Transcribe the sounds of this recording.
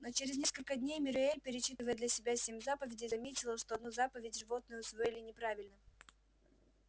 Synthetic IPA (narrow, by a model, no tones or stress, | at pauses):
no̞t͡ɕeɾʲɪznʲe̞skəlʲkəd̪ʲnʲejmʲɪɾʊelʲpʲɪɾʲɪt͡ɕːit̪ɨvəjəd̪lʲɐsʲɪbʲasʲemʲzapəvʲɪdʲɪzɐmʲetʲɪlˠəʂt̪o̞ɐd̪nuzapəvʲɪtʲʐɨvo̞t̪̚nəjəʊsvoɪlʲɪnʲɪpɾavʲɪlʲnə